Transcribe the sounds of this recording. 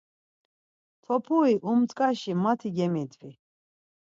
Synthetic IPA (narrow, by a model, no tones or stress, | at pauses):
t̪ʰɔpʰuiʔumt͡s̪ʼkʼaʃimat̪ʰiɡɛmid̪ʼvi